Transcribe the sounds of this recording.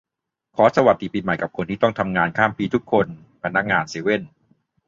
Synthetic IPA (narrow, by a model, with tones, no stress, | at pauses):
kʰɔː˩˦sa˧wa˨˩t̪̚ːi˨˩piː˧˩ma˨˩jka˨˩p̚kʰo˧nt̪ʰiː˥˩t̪ɔ˥˩ŋt̪ʰa˧mŋaː˧nkʰaː˥˩mpiː˧t̪ʰu˦˥kʰːo˧n | pʰa˧nːa˦˥k̚ŋaː˧nsiː˩˦we˥˩n